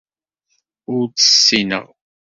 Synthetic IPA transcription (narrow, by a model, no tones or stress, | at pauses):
ut͡sə̥sːinə̰ʁ